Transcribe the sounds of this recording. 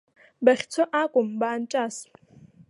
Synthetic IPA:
baχʲt͡sʰoʔakʷʼʊmbaːnt͡ʃʼas

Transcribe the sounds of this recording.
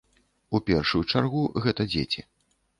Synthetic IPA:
upʲɛrʂujut͡ʂarɣuɣɛt̪ɐd͡zʲḛt͡sʲi

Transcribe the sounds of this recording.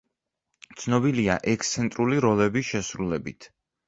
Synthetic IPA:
t̪sʰnɔbiliaʔɛkʰst̪sʰɛnt̪ʼɾuliɾɔlɛbiʃɛsɾulɛbit̪ʰ

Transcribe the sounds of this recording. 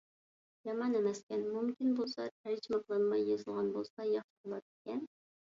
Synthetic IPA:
jɑmɑnemɛskʲɛnmumkʲinbolˠsɑt̪ʰæɾd͡ʒimɑqlˠɑnɨmɑjːezɨlˠʁɑnbolˠsɑjɑχʃɪbolˠɑt̪̚ɪkʲɛn

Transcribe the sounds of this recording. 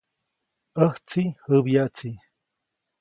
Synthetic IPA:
əht͡sihəbjaʔt͡si

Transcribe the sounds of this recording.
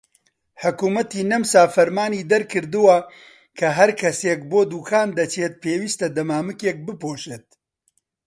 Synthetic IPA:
ħʊkuːmɐt̪iːnɐmsaːfɐɾmaːniːd̪ɐɾkɨɾd̪ɨwɐ | kʰɐɦɐɾkʰɐsek̚boːd̪uːkʰaːnd̪ɐt͡ʃeːt̪̚peːwiːst̪ɐd̪ɐmaːmɨkeːk̚bɨpoːʃeːt̪̚

